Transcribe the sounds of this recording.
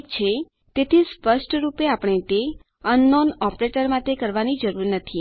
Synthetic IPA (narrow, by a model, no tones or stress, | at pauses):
kt͡ʃʰe | t̪et̪ʰispəʃʈɾupeapəɳ̃et̪e | ənːɔnɔpɾeʈəɾmãt̪ekəɾʋanid͡ʒəɾuɾnət̪ʰi